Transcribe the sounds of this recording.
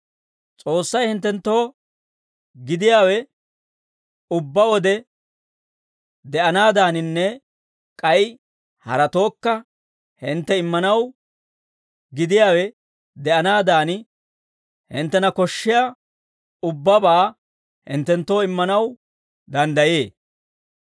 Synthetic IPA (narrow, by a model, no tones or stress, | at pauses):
t͡sʼo̞ːsːɐjhɪnt̪ːɛnt̪ːo̞ː | ɡɪd̪ɪjaːwɛ | ʊbːɐwɔd̪ɛ | d̪ɛʔɐnaːd̪aːnɪnːɛ | kʼɐj | hɐ̰ɾɐt̪o̞ːkːɐ | hɪnt̪ːɛɪmːɐnɐw | ɡɪd̪ɪjaːwɛ | d̪ɛʔɐnaːd̪aːn | hɪnt̪ːɛnɐkɔʃːɪja | ʊbːɐbaː | hɪ̰nt̪ːɛnt̪ːo̞ːɪmːɐnɐw | d̪ɐnd̪ɐjeː